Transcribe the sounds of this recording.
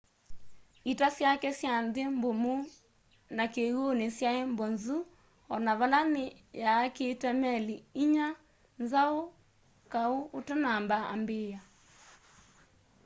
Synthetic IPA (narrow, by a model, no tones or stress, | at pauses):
itasjakɛsjanðembomu | nakeɣonesjaembɔnzu | ɔnaβalane | jaːketamɛliiɲa | nzao | kaoːtɛnambaa̰mbeːja